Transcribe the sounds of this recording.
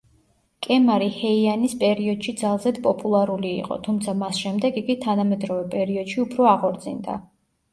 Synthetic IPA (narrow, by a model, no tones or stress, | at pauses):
kʼɛmaɾihɛianispʼɛɾiɔd̪̥ʃid̪zalˠzɛd̪pʼɔpʼulˠaɾulḭːqʼɔ̰t̪ʰumt̪sʰamasʃɛmd̪ɛɡiɡit̪ʰanamɛd̪ɾɔvɛpʼɛɾiɔd̪̥ʃiupʰɾɔaʁɔɾd̪zḭnd̪a̰